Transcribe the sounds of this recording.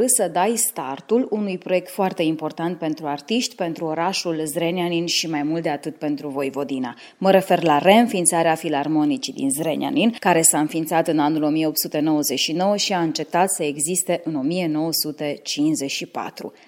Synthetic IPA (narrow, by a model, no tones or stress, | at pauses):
ɨsəd̪ajst̪art̪ulunujpɾo̞je̞k̚t̪foart̪e̞impo̞rt̪ant̪̚pe̞nt̪ɾuart̪iʃt̪ʲpe̞nt̪ɾuo̞ɾaʃulzɾenianinʃimajmult̪d̪e̞at̪ɨt̪̚pe̞nt̪ɾuvo̞jvo̞d̪ina̰ | məɾe̞fe̞rlare̞ɨnfint̪saɾeafilarmo̞nit͡ʃid̪ḭnzɾenja̰ninkaɾe̞saɨnfint̪sat̪ɨnanulo̞mijeo̞pt̪sut̪e̞no̞wəze̞ʃino̞wəʃiaɨnt͡ʃe̞p̚t̪at̪səe̞ɡzist̪e̞ʔɨno̞mije̞no̞wəsut̪e̞t͡ʃinsze̞ʃipa̰t̪ɾṵ